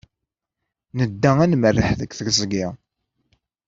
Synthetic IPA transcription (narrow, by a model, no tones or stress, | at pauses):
nəd̪ːæænmərːəħðəkʷθəɡzɡɪ